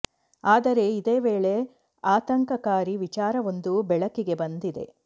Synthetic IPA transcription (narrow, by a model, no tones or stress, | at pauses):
aːd̪ɐɾe̞id̪e̞ːʋeːɭe̞ | aːt̪ɐŋkɐkaːɾiʋit͡ʃaːɾɐʋo̞nd̪ubɛɭɐkiɡe̞bɐnd̪id̪e̞̰